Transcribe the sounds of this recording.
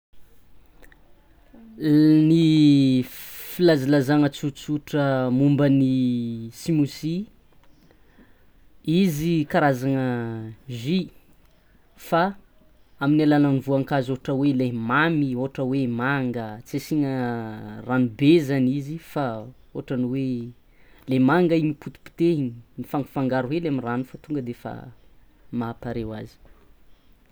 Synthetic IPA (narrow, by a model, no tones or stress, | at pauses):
ni | filazilazaŋət͡sut͡suʈ͡ʂəmumbənisimusi | izikaɾazaŋəʒi | fa | aminalananvuaŋkazoaʈ͡ʂəwelemamioaʈ͡ʂəwemaŋɡət͡sesiɲə | ranubezanizifa | oaʈ͡ʂaniwe | lemaŋɡaiɲiput̪u̥pi̥t̪eiɲinifaŋɡu̥faŋɡaɾuweleamiranufat̪uŋɡəd̪efa̰ | maːpaɾewazi̥